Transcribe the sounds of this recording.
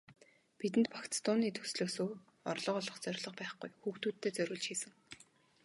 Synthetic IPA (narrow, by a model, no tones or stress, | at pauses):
pit̪ɘ̆nt̪̚pʰḁkt͡st̪ʊːniːt̪ʰɵ̥sɮoːsoː | ɔrɮɞ̆qɔɮɞ̆χt͡sœɾʲɮɞ̆qpæːχɡujxuːxt̪uːt̪ʰːeːt͡sœɾʲʊ̆ɮt͡ɕxiːsɘ̆ŋ